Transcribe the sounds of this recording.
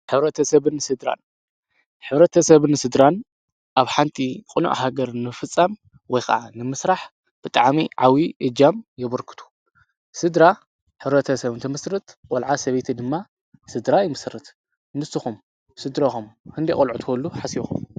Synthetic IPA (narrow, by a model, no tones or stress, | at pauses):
ħɨβɾɐt̪ʰɐsɐβɨnsɨd̪ɾa̰n | ħɨβɾɐt̪ʰɐsɐβɨnɨsɨd̪ɾan | ʔaβħant̪ʰikʼɨnṵʔhaɡɐɾnɨfɨt͡sʼːam | wɔjxɐ̰ʕanɨmɨsɾaħ | b̥ɨt̪ʼaʕmiʕawiʔɨd͡ʒamjɛβɐɾkʰɨ̥t̪ʰu̥ | sɨd̪ɾa | ħɨβɾɐt̪ʰɐsɐβɨnt̪ʰɐmɨsɾɨt̪kʼɔlʕasɐβet̪ʰid̪ɨmːa | sɨd̪ɾajɪmɨsrɨt̪ | nɨsɨxum | sɨd̪ɾɐxumkʰɨnd̪ikʼolʕut̪ʰkʰolːuħasixṵm